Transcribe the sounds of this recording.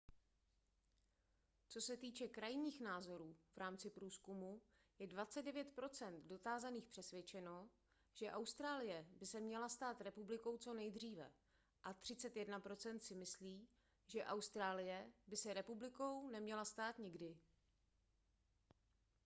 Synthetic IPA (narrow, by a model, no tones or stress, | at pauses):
t͡so̞sɛt̪iːt͡ʃɛkɾajɲiːxnaːzo̞ɾuːvɾaːmt͡sɪpɾuːskumu | jɛdvat͡sɛdɛvjɛt̪pɾo̞t͡sɛnt̪dot̪aːzaniːxpr̥ɛsvjɛt͡ʃɛno̞ | ʒ̥ɛʔawst̪ɾaːlɪjɛbɪsɛmɲɛlast̪aːt̪ɾɛpublɪko̞wt͡so̞nɛjd̪r̝iːvɛ̰ | ʔat̪r̝̥ɪt͡sɛt̪jɛdnapɾo̞t͡sɛnt̪sɪmɪsliː | ʒɛʔawst̪ɾaːlɪjɛbɪsɛɾɛpublɪko̞wnɛmɲɛlast̪aːt̪ɲɪɡdɪ